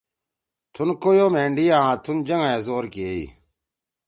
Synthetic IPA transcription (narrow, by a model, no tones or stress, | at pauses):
t̪ʰunkoːjoːmẽːɳɖiːaãːt̪ʰund͡ʑɐŋaeːzoːɾkiḭː